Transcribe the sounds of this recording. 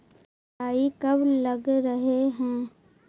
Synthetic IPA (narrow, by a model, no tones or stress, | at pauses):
aːikɐblɐɡɾəɦeɦɛ̃ː